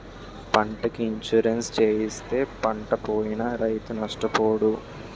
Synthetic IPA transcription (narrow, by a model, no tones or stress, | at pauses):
pɐɳʈɐkiːɲʃuɾenst͡ʃeːjist̪e̞ːpɐɳʈɐpoːjinɐɾɐjt̪unɐʂʈɐpoːɽu